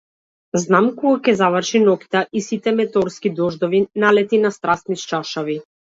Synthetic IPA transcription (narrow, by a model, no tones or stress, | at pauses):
znamkɔɡakʲɛzavərʃinɔki̥t̪aʔisit̪ɛmɛt̪ɔɾskid̪ɔʒd̪ɔvinalɛt̪inast̪ɾast̪niʃt͡ʃaʃavi